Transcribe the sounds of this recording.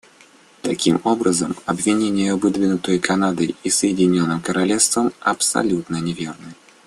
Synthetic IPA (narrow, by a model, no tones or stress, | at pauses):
t̪ɐkʲimobɾəzəmɐbvʲɪnʲenʲɪjəɐvɨd̪vʲɪnʊt̪əjkʰɐnad̪ɨjisəjɪdʲɪnʲonːɨmkəɾɐlʲefst̪vəmɐpsɐ̰lʲut̪nənʲɪvʲernɨ